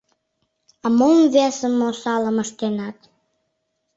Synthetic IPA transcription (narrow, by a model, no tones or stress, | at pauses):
ɑmomvesəmːosɑləməʃt̪enɑt̪